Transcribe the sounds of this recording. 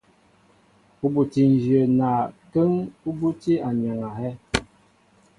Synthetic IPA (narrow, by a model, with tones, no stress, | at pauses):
u˦bu˨ti˨n˨d͡ʒjə˨na˨kə˦ŋu˦bu˦ti˦a˨ɲ˨a˨ŋa˨hɛ˦